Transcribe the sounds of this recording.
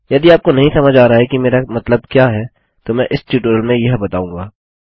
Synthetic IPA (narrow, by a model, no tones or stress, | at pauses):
jɐd̪iaːp̚konɐɦĩsɐməd͡ʒʱaːɾaaɦɛkimeːɾamɐt̪ləb̚kjaːɦɛː | t̪omɛ̃ʔɪsʈjuːʈəɾəlmẽjɐɦbɐt̪aːũːŋɡaː